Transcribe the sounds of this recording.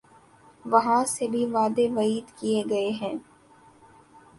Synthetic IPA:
ʋɐɦãsebʱiʋaːd̪eʋɐiːd̪kieɡɐeɦɛ̃ː

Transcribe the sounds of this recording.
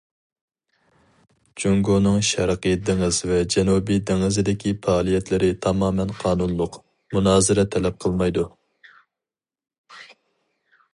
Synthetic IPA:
d͡ʒoŋɡonɨŋʃɛɾqɨjɛd̪ɪŋɨzvɛd͡ʒɛnubid̪ɪŋɨzɪd̪ɪkʲʰipɑːlˠijɛt̪lɪɾɪt̪ʰɑmɑːmɛnqʰɑːnunlˠʊq | munɑːzɨɾɛt̪ʰɛlɛp̚qʰəlˠmɑjd̪u

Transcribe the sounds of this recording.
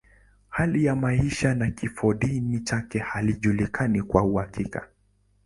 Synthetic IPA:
halijamaiʃanakifɔɗinit͡ʃakɛhaliʄulikʰanikwauhakʰika̰

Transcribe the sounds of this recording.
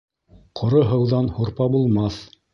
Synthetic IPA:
qʰŏɾoɦɤ̆wðɑnhuɾpɑbulˠmɑθ

